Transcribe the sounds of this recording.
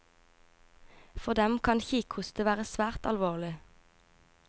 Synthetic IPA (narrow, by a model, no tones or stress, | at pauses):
fɔd̪ɛmkʰɑnçiːkhʊst̪əʋæːʁəsʋæːʁt̪ɑlʋoːʁlɪ